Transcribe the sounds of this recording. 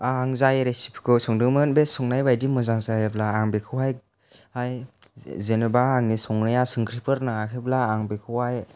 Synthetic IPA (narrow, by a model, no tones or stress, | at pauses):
aŋzajɾesipʰkʰɯsɔŋdɯmɯnbesɔŋnajbajdimɯzaŋzajeblaːŋbekʰɯwaj | ajzenebaːŋnisɔŋnajasɯŋkʰɾipɯɾnaŋakʰeblaːŋbekʰɯwaj